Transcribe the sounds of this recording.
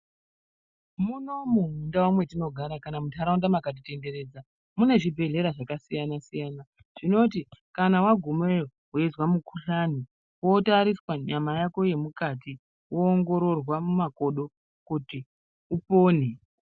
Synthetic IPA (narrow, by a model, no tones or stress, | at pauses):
muno̞muɦundawamwe̞tino̞ɡʱaɾakanamutʰaɾaundamakat̬ite̞nde̞ɾe̞ːd͡za | mune̞ʐibʱe̞ɮe̞ɾaʐakasijanasijaːna | ʐ̥ino̞t̬ikanawaɡʱumeo | ɦezwamukʰuɬani | wo̞taɾiswaɲamajako̞je̞mukati | woːŋɡo̞ɾo̞rwamumako̞ɗo | kuti | upo̞ːne